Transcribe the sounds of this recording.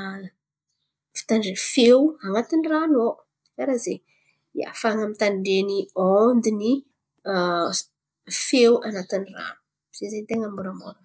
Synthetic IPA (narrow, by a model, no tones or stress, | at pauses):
fi̥t̪aɳɖ͡ʐefewaŋat̪inirano | aɾaze | ia̰faŋamit̪aɳɖ͡ʐeniond̪ini | fewʔanat̪inira̰nu̥ | z̥ezent̪eŋambuɾamoɾ